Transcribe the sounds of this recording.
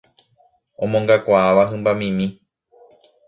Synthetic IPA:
õ̞mõŋɡakʷaaʋaɦɨ̃mbamĩmĩ

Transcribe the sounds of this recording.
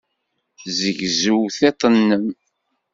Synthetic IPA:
zəʝzuwθet̪ˤənːəm

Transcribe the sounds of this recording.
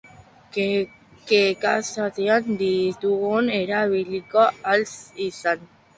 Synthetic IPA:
kekasat̪eand̪it̪uɣuneɾaβilikoalsisan

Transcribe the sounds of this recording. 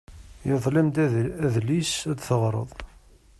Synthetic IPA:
jəðˤlɪmd̪æðlisæd̪θəʁɾˤə̰ðˤ

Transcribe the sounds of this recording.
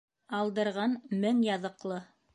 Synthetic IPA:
ɑlˠd̪ɤ̆ɾʁɑnmɘŋjɑðɤ̆qlˠɤ

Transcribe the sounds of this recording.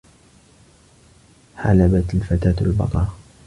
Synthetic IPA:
ħa̰labat̪alfat̪aːt̪albɑ̰t̪ˤɑɾˤ

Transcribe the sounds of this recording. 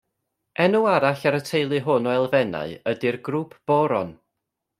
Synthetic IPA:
ɛnuaɾaɬaɾətʰejlˠɨɦʊnɔɛlˠvɛna̰ɨədirɡruːpʰb̥ɔɾɔn

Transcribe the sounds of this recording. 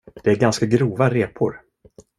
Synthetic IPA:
d̪̥ɛæɾɡanskaɡɾuːvaɾeːpʰʊɾ

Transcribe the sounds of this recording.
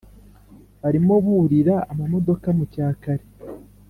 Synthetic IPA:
βaɾimo̞βuɾiɾaːmamo̞do̞kamucaːkaɾe

